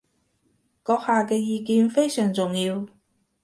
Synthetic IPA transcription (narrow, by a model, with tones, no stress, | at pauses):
kɔː˨˧˥k̚haː˨kɛː˧jiː˨kiː˨˧nfe˥jsœː˨˩ŋt͡sʊ˨ŋjiː˧w